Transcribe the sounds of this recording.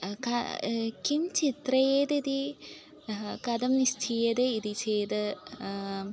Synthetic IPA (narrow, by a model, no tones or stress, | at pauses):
kɐkimt͡ʃit̪ɾɐjeːd̪id̪i | kɐd̪ɐmnist̪ʰijeːd̪eid̪it͡ʃeːd̪ɨ